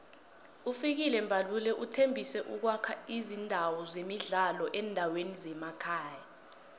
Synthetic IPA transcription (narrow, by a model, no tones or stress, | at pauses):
ufik̬ilɛmbʱalulɛʔutʰembʱisɛʔuk̬wakʰaizindʱawɔzemiɮalɔʔɛːndʱawenizɛmakʰaːja